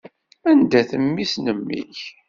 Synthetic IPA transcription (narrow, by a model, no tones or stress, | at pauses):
ænd̪æθəmːisnəmːḭç